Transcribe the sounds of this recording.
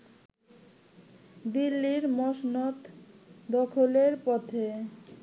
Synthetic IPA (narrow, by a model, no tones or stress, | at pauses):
d̪ilːiɾmɔʃnot̪d̪ɔkʰoleɾpɔt̪ʰe